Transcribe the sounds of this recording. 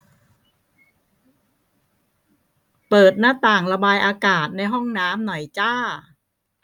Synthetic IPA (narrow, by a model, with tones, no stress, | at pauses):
pɤː˨˩t̪̚naː˥˩t̪aː˨˩ŋɾa˧baː˧jʔaː˧kaː˨˩t̪̚na˧jɦɔ˥˩ŋnaː˦˥mnɔ˨˩jt͡ɕaː˥˩